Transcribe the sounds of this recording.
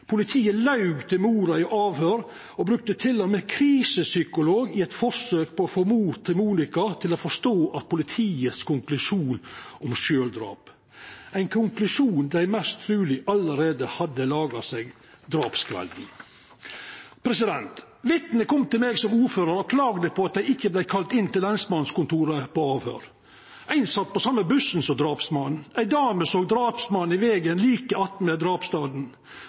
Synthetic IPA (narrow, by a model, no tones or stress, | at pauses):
pʰʊlɪt̪ʰiːəlɑʉɡt̪əmuːɾɑɪʔɑːʋhøːɾ | ɔbɾʉk̚t̪ət̪ʰɪlːɔmɛkʰɾiːsəsʏkʊloːɡɪɛt̪fɔʂøːk̚pʰɔːfoːmuːt̪ʰːɪmuːnɪkɑt̪ʰɪloːfɔʂt̪oːʔɑt̪̚pʰʊlɪt̪ʰiːət̪skʊŋklʉʂuːnʔɔmʃøːld̪ɾɑ̰ːp | æɪnkʰʊŋklʉʂuːnd̪æɪmɛst̪t̪ʰɾʉːlɪʔɑləɾeːd̪əhɑd̪ːəlɑːɡɑseɡ | d̪ɾɑːpskʰʋɛ̰ld̪n̩ | pʰɾɛsɪd̪ɛnt̪ | ʋɪt̪nəkʰɔmːt̪ɪlmeːɡsɔmuːɾføːɾəɾɔkʰlɑːɡd̪əpʰɔɑt̪̚d̪æɪɪkːəblæɪkʰɑlt̪ɪnt̪ɪlɛnsmɑnskʊnt̪uːɾəpɔɑːʋhø̰ːɾ | ʔæɪnsɑt̪̚ːpɔsɑmːəbʉsn̩sɔmd̪ɾɑːpsmɑn̩æɪd̪ɑːməsoːɡd̪ɾɑːpsmɑnːɪʋeːɡənliːkəɑt̪̩mɛd̪ɾɑːpst̪ɑːd̪n̩